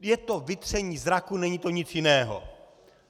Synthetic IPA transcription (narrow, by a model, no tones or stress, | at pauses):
jɛt̪o̞vɪt̪r̝̥ɛɲiːzɾakunɛɲit̪o̞ɲɪt͡sjɪnɛːɦo̰